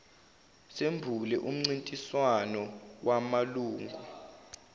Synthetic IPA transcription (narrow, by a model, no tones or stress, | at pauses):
sembʱulɛʔum̩ŋ͡ǀintʼiswanɔwamaluːŋɡʱu